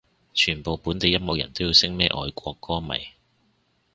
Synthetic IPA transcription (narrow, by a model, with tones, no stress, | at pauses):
t͡ʃʰyː˨˩npo˨wpuː˨˥nt̪e˨˧jɐ˥mɔ˨k̚jɐ̰˨˩nt̪o˥wji˧wsɪ˥ŋmɛː˥ʔɔ̰ː˧jkʷɔː˧kːɔː˥mɐ̰˨˩j